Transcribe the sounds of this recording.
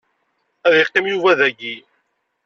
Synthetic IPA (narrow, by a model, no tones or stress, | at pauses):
æðɪqːimjuvæðæɡi